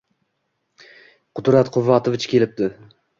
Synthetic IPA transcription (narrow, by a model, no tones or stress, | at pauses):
qʰʊd̪ɾat̪qʰʊvːɑt̪ʰovɪt͡ʃkʲe̞lɪp̚d̪ɪ